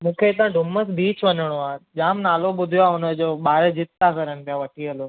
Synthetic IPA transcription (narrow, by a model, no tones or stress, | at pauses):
mũːkʰet̪ãɖʱʊməsbʱiːt͡ɕʰʋɐnəɽ̃oaʄaːmnaːloɓʊd̪ʱijoaːʊnəd͡ʑoːɓaːɾed͡ʑɪt̪ːakɐɾənɪpijaʋɐʈʰiɦəlo